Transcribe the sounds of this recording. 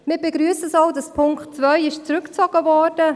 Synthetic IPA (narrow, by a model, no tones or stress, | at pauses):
mɪːbeɡɾyəsəsɑwdɑspʰʊŋktt͡svœʏɪʃt͡sɾʉkt͡sɔɡ̥əvɔːrd̥ə